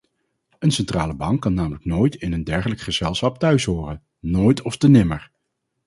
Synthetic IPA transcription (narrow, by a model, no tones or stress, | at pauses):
ənsɛntraːləbɑŋkːɑnaːmələk̚noːjtɪnəndɛɹχələkχəz̥ɛlˠsχɑp̚tœɥsɦʊːrən | noːjtɔftənɪməɹ